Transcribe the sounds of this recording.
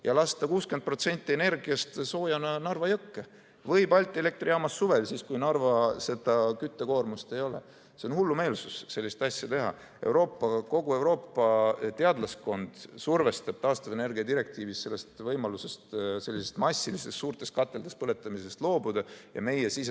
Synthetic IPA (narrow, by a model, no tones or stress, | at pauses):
jɑlɑst̪ɑkuːskend̪̚pro̞t̪se̞nʲt̪ʲːˑie̞ne̞rɡiɑst̪so̞ːjɑnɑnɑrvɑjɤkːe | vɤjpɑlʲt̪ʲːˑiele̞k̚t̪riɑmɑsːuve̞lsiːskujnɑrvɑse̞d̪̥ɑkyt̪ːeko̞ːrmust̪e̞jo̞lḛ | se̞o̞nhulːume̞ːlsusse̞lʲːist̪ɑsʲjɑt̪e̞ɦɑ̰ | ewɾo̞ːpːɑko̞ɡ̥ue̞wɾo̞ːpːɑt̪e̞ɑd̪lɑsko̞nd̪̥surve̞st̪ɑb̥t̪ɑːst̪ɑve̞ne̞rɡiɑd̪iɾe̞k̚t̪iːvisse̞lːe̞st̪vɤjmɑluse̞st̪se̞lʲːise̞st̪mɑsʲːilise̞ssuːɾrt̪ˑe̞st̪kɑt̪ːˑe̞ld̪̥espɤle̞t̪ːˑɑmis̬e̞st̪lo̞ːbud̪̥ɑjɑ̰me̞jesis